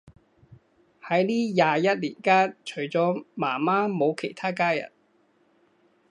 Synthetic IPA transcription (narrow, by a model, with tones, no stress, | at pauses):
hɐ˨˥jliː˥jaː˨˧jɐ˥t̚liː˨˩nkaː˥nt͡ʃʰɵ˨˩ɥt͡sɔː˨˥maː˨˩maː˥mo˨˧wkʰe˨˩jt̪ʰaː˥kaː˥jɐ̰˨˩n